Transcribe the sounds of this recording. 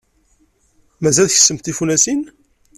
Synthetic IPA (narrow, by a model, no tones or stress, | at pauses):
mæzælθçə̥səmt̪ifunæsin